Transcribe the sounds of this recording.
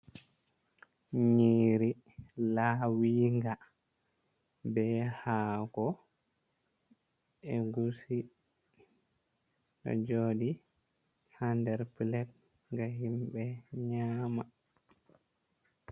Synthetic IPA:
ɲiːɾi | lawiŋɡa | bɛhaːɡɔ | ɛɡusi | ɗɔ̰d͡ʒoːdi | handɛɾpilɛp̚ | ŋɡaɦimbɛɲaːma

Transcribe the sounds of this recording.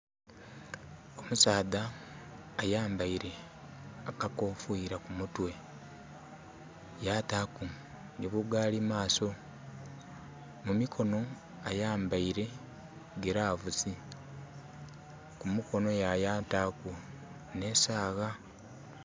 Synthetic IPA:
o̞musaːðaː | jaːmbaiɾe̞ | akakofuiɾakumutwe̞ | jataːku | niβuɡaːlimaːso̞ | mumikʰo̞no̞ | ajaːmbaiɾe̞ | ɡeɾaːvuzi | kumuko̞no̞jajaːtaku | ne̞saːɣa

